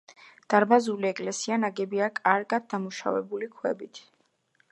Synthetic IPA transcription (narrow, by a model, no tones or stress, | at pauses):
d̪̥aɾbazuliɛkʼlɛsianaɡɛbiakʼaɾɡad̪̚d̪amuʃa̰vɛ̰bulikʰwɛ̰bit̪ʰ